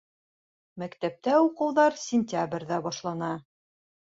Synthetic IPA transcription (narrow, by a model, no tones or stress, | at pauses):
mækt̪æp̚t̪æuqɤ̆wðɑɾsʲɪnʲt̪ʲabrʲðæbɒʃlˠɑnɑ